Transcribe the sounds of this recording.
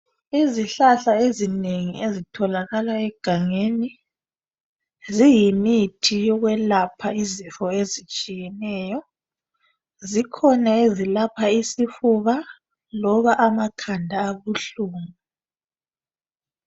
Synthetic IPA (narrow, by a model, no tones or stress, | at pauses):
iziɬaɬaezineŋiezitʰɔlaɣalaɛɡ̥ʱaŋeni | zijimitʰijɔɣwɛlapʰaizifɔezit͡ʃʼijɛnɛːjɔ | zikʰɔnaezilapʰaisifuβa | lɔβaʔamakʰandʱaːβuɬuːŋu